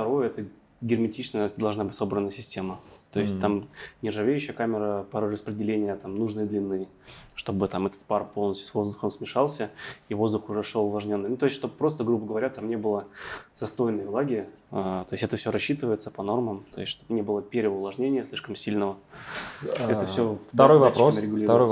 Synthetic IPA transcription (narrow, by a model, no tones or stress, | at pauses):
ft̪ɐɾo̞jəɛt̪ə | ɡʲɪrmʲɪtʲit͡ɕsnəjəd̪ɐlˠʐnabɨtʲso̞bɾənːəjəsʲɪsʲtʲemət̪o̞ɪsʲt̚ʲt̪amnʲɪrʐɨvʲejʏɕːɪjəkamʲɪɾəpɐɾrəspɾʲɪdʲɪlʲenʲɪjət̪amnuʐnɨjəd̪lʲɪnːɨj | ʂt̪o̞bɨt̪amɛt̪ə̥t̪̚parpolˠnəsʲtʲʊsvo̞zd̪ʊxəmsmʲɪʂɑlˠsʲəivo̞zd̪ʊxʊʐɛʂolˠʊvlˠɐʐnʲonːɨnut̪o̞ɪsʲt̪ʲʂt̪obpɾo̞st̪əɡɾubəɡəvɐɾʲat̪amnʲe̞bɨlˠəz̥ɐst̪o̞jɪnːəjəvlˠaɡʲɪat̪o̞ɪsʲtʲɛt̪əfsʲoɾɐɕːit̪ɨvəjɪt̪sə̥pɐno̞rməmt̪o̞jɪsʲtʲʂt̪o̞bnʲe̞bɨlˠəpʲeɾʲɪəʊlˠɐʐnʲenʲɪjəsʲlʲiʂkəmsʲilʲnəvə | ɛəfsʲofɾojvɐoməɾʲɪɡʊlʲiɾɾo